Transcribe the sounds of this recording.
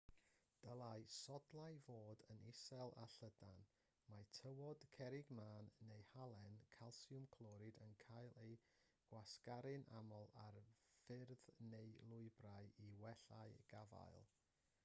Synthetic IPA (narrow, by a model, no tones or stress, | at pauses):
d̥əlˠajsɔdlˠajvoːdənɪsɛlˠa̰ɬədan | matʰəwɔd̥kʰɛɾɪɡmaːnːejhalˠɛnkʰalˠsiʊmkʰlˠɔɾɨdənkʰajlˠej | ɡ̥waskaɾɨnʔa̰mɔlˠarfɪrðnejlˠʊɨbrajiwɛɬaɨɡ̥ava̰jlˠ